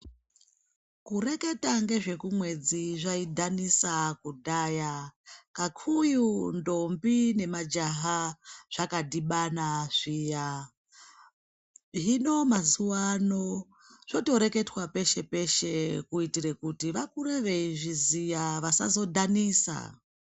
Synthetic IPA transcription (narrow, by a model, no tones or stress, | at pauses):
kure̞ke̞taŋɡe̞ʐe̞kumwe̞d͡ziʐaidʱanisakudʱaːjakakʰujundo̞mbine̞mad͡ʒaɦaʐ̥akadiɓanaʐ̥iːja | ʐino̞mazuwano̞ | ʐ̥oto̞ɾe̞ke̞twape̞ʃe̞pe̞ʃekuitiɾekutiʋakuɾe̞ʋe̞iʐizijaʋasa̰zo̞dʱaniːsa̰